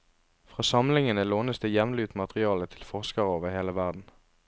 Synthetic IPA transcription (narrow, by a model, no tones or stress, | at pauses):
fʁɑːsɑmlɪŋənəloːnəsd̪eːjɛʋnlʉːt̪mɑt̪ʁɪɑːlət̪ʰɪlfɔʁskɑʁəoːʋəʁheːləʋæʁd̪n̩